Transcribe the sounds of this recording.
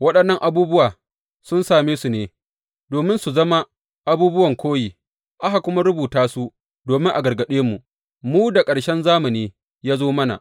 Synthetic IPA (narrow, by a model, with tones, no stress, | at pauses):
wɐ˦ɗɐ˨nːɐ˦ŋʔa˨buː˦bʊ˦waː˨ | sʊ˦nsaː˨meː˦su˨neː˦ | doː˨mɪ˦nsu˨zɐ˦ma˦ | ʔa˦buː˦bʊ˦wɐ˨ŋkʷoː˦jiː˨ | ʔa˦ɦa˨kʷʊ˦ma˦ɾʊ˦buː˨taː˦su˦ | doː˨mɪ˦ŋʔa˨ɡɐ˨rɡɐ˨ɗeː˦mu˨ | muː˦da˨kʼɐ˨ɽʃɛ˦nzaː˦mɐ˨niː˦ | jaː˦zoː˦mɐ˦na̰˨ʔ